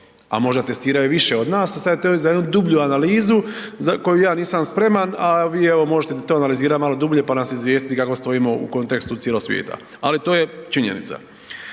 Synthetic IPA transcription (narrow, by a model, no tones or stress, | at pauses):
a̰mo̞ʒd̪at̪e̞st̪iːɾajuʋiʃe̞od̪naːsasad̪et̪ozaje̞d̪nud̪ubʎuanaliːzuzako̞jujaːniːsamspɾe̞manaʋiːe̞ʋo̞mo̞ʒet̪ed̪at̪o̞analiziːɾamalo̞d̪ubʎe̞panasizʋjeːst̪it̪ikakʋost̪o̞iːmo̞ṵko̞nt̪e̞kst̪ut̪ʲjeloksʋjḛːt̪ʰa̰ | alit̪oːje̞t͡ʃiɲḛnḭt̪sa̰